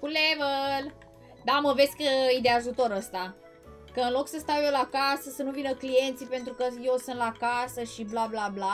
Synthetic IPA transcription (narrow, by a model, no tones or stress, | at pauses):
kulevəl | d̪aməve̞sʲkəid̪eaʒut̪o̞ɾəst̪a | kəɨnlo̞ksəst̪awjewlakasəsənuvinəklije̞nt̪sipe̞nt̪ɾukəjewsɨnt̪lakasəʃiblablabla